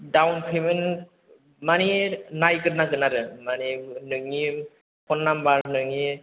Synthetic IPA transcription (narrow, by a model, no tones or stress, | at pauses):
dawnpʰɯmɯn | maninajkɯɾnakɯnaɾɯmaninɯŋi | pʰɔnːambaɾnɯŋi